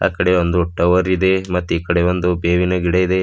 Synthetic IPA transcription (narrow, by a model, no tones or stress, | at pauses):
a̰ːkɐɽeond̪uːʈːɐʋɐɾid̪emɐt̪ːiːkɐɽeond̪ubeːʋinɐɡiɽɐid̪e̞